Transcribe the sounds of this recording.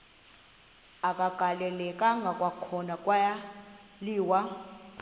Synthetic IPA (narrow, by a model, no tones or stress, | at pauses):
akʼaɡ̥ʱalɛlɛkʼaŋɡʱakʼwakʰɔnakʼwaja | liːwa